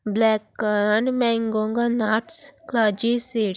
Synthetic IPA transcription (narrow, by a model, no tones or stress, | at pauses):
blɛkːaɾanmɛŋɡoŋɡanaʈsklad͡ʒisiɽ